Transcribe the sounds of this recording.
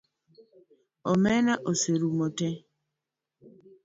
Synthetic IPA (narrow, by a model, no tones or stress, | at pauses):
ɔmɛnaʔoseɾumɔtɛ